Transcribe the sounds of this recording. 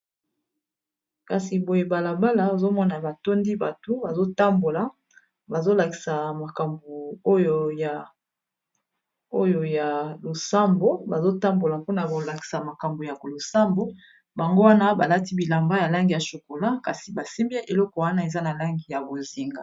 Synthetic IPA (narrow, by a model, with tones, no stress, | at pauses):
ka˨si˨bo˨je˨ba˨la˨ba˦la˨o˨zo˦mɔ˦na˨ba˨to˦ndi˦ba˨to˦ba˨zo˦ta˦mbo˨la˨ | ba˨zo˦la˨ki̥˨sa˨ma˨ka˨mbo˨o˦jo˨ja˨ | o˦jo˨ja˨lo˨sa˦mbo˦ba˨zo˦ta˦mbo˨la˨po˦na˨ko˨la˨ki̥˨sa˨ma˨ka˨mbo˨ja˨klo˨sa˦mbo˦ | ba˨ŋɡo˦wa˦na˦ba˨la˦ti˦bi˨la˨mba˦ja˨la˦ŋɡi˨ja˨ʃo˨ko˨la˦ka˨si˨ba˨si˦mbe˦ʔe˨lɔ˦kɔ˨wa˦na˦e˨za˦na˨la˦ŋɡi˨ja˨bo˨zi˨ŋɡa˨